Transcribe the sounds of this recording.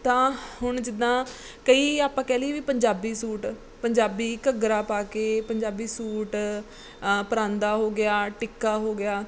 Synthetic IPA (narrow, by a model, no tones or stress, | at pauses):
t̪ãːhʊɳd͡ʒɪd̪ãː | kəiːaːpãːkɛːliːʋiːpəɲd͡ʒaːbiːsuːʈ | pəɲd͡ʒaːbiːkəɡɾaːpaːkeːpəɲd͡ʒaːbiːsuːʈ | pəɾãːnd̪aːɦoːɡɪaːʈɪkːaːɦoːɡɪaː